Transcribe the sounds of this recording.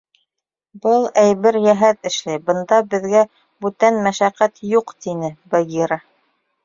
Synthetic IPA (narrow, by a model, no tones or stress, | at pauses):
bɤlˠæjβɘɾjæɦæt̪ɘ̆ʃlæjbɤ̆nd̪ɑbɘ̆ðɡæ | bʉt̪ænmæʃæqæt̪juqt̪inɘbɐɡʲiɾɑ